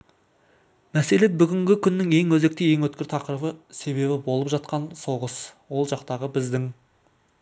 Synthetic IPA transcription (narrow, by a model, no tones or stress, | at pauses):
mæse̞le̞bʏɡʲɪŋɡʲɪkʲʰʏnːɪŋe̞ŋwɵze̞k̚t̪ɪje̞ŋwɵt̪̚kʲɪɾt̪ʰɑqəɾəbəse̞βe̞bɪbo̞lˠəpʒɑt̪̚qɑnso̞ʁəswo̞lˠʒɑqt̪ɑʁəbɪzd̪ɪŋ